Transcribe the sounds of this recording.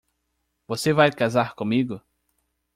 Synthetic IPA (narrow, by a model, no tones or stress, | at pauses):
vosevajkazaɾkõmiɡʊ